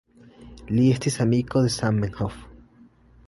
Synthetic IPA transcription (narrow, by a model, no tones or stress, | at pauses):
liest̪isamikoðesammeŋxof